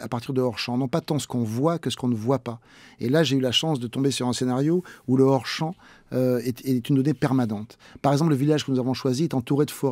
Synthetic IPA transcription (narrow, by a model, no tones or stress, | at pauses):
apaʁt̪iʁd̪əɔʁʃɑ̃nɔ̃pat̪ɑ̃sə̥kɔ̃vwakəsə̥kɔ̃nəvwapa | ḛlaʒeylaʃɑ̃sd̪ət̪ɔ̃besyʁɛ̃senaʁjouləɔʁʃɑ̃ | øɛɛt̪ynd̪ɔnepɛʁmanɑ̃t̪paʁɛɡzɑ̃pləvilaʒkənuzavɔ̃ʃwaziɛt̪ɑ̃t̪uʁed̪əfɔʁ